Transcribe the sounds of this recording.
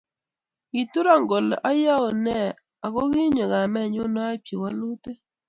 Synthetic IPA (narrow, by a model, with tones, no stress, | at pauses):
ɡi˨tu˦ɾa˦˨ŋɡo˨lʔa˦ja˦o˨nɛ˦˨ | a˨kɔ˦ɣi˦ɲɔ˨ɣa˨mɛ˦˨ɲʊ˦nɔ˦a˦pje˨wa˦lu˦te˦